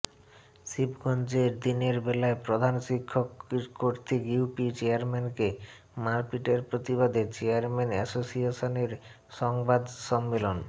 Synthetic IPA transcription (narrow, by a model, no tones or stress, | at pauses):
ʃibɡʱond͡ʑeɾd̪ineɾbɛlaepɾod̪ʱanʃikʰːokkːoɾt̪ʰikjupit͡ɕeaɾmɛnke | maɾpiʈeɾpɾot̪ibad̪et͡ɕeaɾmɛnɛsosiaʃoneɾ | ʃɔŋbad̪ʃɔmːelon